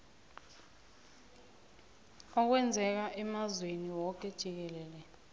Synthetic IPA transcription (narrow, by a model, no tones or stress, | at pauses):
ɔk̬wɛnd͡zʱɛk̬aʔɛmazweniwɔk̬ɛd̥ʒ̥ʱik̬ɛlɛːlɛ